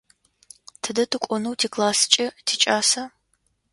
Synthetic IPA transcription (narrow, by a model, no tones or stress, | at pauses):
tʰɨdɐtʰɨkʷʼɔnɐwtʰiːkʼlaːsɨ̥t͡ʃʼɪtʰiːt͡ʃʼaːsɐ